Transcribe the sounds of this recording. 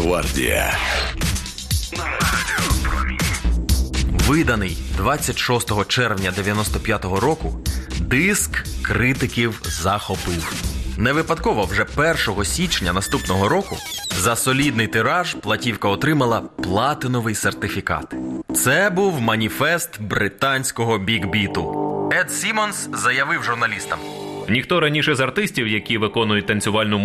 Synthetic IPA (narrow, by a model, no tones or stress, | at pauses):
ʋa̰rdʲḭjɐ̰ | i | ʋɪd̪ɐnɪjd̪ʋat͡sʲːɐtʲʃɔst̪ɔɦɔt͡ʃɛrwnʲɐd̪eʋʲjɐnɔst̪ɔpʲjat̪ɔɦɔɾɔkʊd̪ɪskkɾɪt̪ɪkʲiwzɐxɔpɪwneʋɪpɐd̪kɔʋɔwʒɛpɛrʃɔɦɔsʲit͡ʃnʲɐnɐst̪upnɔɦɔɾɔkʊ̰zɐsɔlʲid̪nɪjt̪ɪɾɑʒplˠɐtʲiwkɐɔt̪ɾɪmɐlˠɐplˠɑt̪ɪnɔʋɪjsert̪ɪfʲikɑ̰t̪t̪sɛbuwmɐnʲifɛst̪bɾɪt̪ɑnʲsʲkɔɦɔbʲiɡbʲit̪ʊɛd̪sʲimɔnszɐjɐʋɪwʒʊrnɐlʲist̪ɐmnʲixt̪ɔɾɐnʲiʃɛzɐrt̪ɪsʲtʲiwjɐkʲiʋɪkɔnʊjʊt̚ʲt̪ɐnʲt͡sʲʊʋɑlʲnʊm